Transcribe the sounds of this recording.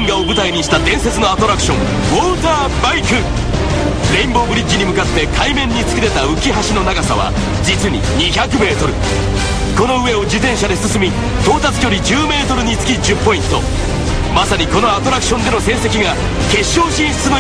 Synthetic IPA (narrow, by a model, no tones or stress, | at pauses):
ŋɡaobɯ̟t̪aiɲ̟iɕi̥t̪ad̪ẽ̞ɰ̃se̞t͡sɨno̞at̪o̞ɾakɯ̟ɕõ̞ŋ | woːt̪aː | baikɯ̃ | ɾe̞ĩmbo̞ːbɯ̟ɾʲid͡ʑiɲ̟imɯ̟kat̪ːe̞kʰaimẽ̞ɲ̟ːit͡sɨ̥kʲiɾe̞t̪aɯ̟kʲiɦaɕino̞naɡasaβa̰ | d͡ʑit͡sɨɲ̟ḭɲ̟içakɯ̟me̞ːt̪o̞ɾɯ̟ | ko̞no̞ɯ̟e̞o̞d͡ʑit̪ẽ̞ɰ̃ɕad̪e̞sɨsɨmʲi | t̪o̞ːt̪at͡sɨ̥kʲo̞ɾʲid͡ʑɨːme̞ːt̪o̞ɾɯ̟ɲ̟it͡sɨ̥kʲid͡ʑɨpːo̞ĩnt̪o̞̰ | masaɲ̟iko̞no̞at̪o̞ɾakɯ̟̥ɕond̪e̞no̞sẽ̞ɰ̃se̞kʲiɡa | ke̞ɕːo̞ːɕĩssɨmɯ